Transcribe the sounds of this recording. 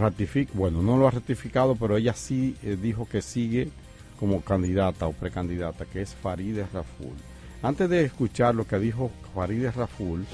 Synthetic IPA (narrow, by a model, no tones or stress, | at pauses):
rat̪ifikbwe̞no̞no̞loarat̪ifikaðo̞pe̞ɾo̞e̞ʝasiðixo̞ke̞siɣe̞ | ko̞mo̞kand̪iðat̪ao̞pɾe̞kand̪iðat̪akeesfaɾiðesrafṵl | ant̪e̞zðe̞ːskut͡ʃaɾlo̞keðixo̞faɾiðesraful